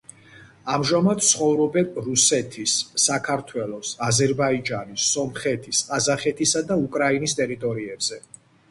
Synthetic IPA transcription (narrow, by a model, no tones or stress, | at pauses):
amʒamad̪̚t̪sχɔvɾɔbɛnɾusɛt̪ʰisːakʰaɾt̪ʰwɛlˠɔsazɛɾbaid͡ʒanisɔmχɛt̪ʰisqʼazaχɛt̪ʰisad̪aukʼɾainist̪ʼɛɾit̪ʼɔɾiɛbz̥ɛ